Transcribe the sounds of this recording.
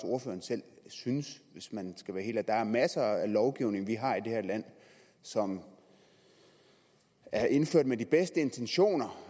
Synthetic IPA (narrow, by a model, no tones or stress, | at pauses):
so̝ɐfø̰ːɐnsel̰synəsʋe̝smænsɡ̥æʋæːɐhe̝ːld̥æd̥ɑæɐmæsɐælɒʊɡ̥iʊne̝ŋʋiɦɑ̈id̥e̝hæɐ̰læn̰ | sɒ̽m | æɐʔe̝nføɐ̰d̥med̥ib̥esd̥əe̝nt͡sʰenɕo̝̰ːnɐ